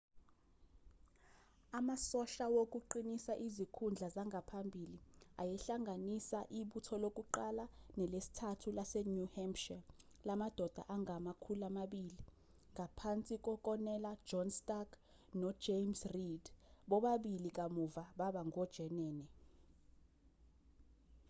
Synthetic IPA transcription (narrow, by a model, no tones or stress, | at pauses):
amasɔɬawok̬ʼuǃinisaʔizikʰund͡ɮʱazaŋɡʱapʰambʱiliajɛɬaŋanisaʔiɓutʰɔlok̬ʼuǃalanɛlesi̥tʰatʰulasɛnuhɛmpʃɛ | lamad̥ʱɔd̥ʱa̰ʔaŋʱamakʰulamaɓili | ŋɡʱapʰant͡sʼik̬ʼɔkʼɔnɛlḁʒ̥ɔnstʼaɡ | nɔ̥ʒ̥emsrid̥ɓɔɓaɓilik̬ʼamuvaɓaɓaŋɔd̥ʒ̥ʱɛnɛːnɛ